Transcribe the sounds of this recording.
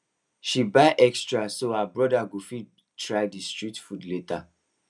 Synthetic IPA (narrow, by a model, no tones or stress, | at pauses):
ʃibaɪʔɛkstɹasohabɹɔdaɡofi | tʰɹaɪdistɹitfudleta